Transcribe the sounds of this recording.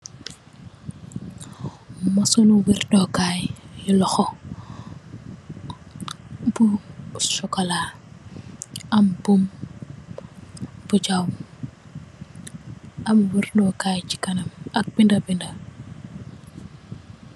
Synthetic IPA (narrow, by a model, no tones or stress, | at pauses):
mɐsɔnuwirdɔkaːjjulɔxɔ | busɔkɔlaː | ɐmbum | b̥ud͡ʒawm | ʔɐmwirdɔkaːjt͡ʃi̥kɐnɐmɐk̚b̥indɐbindɐ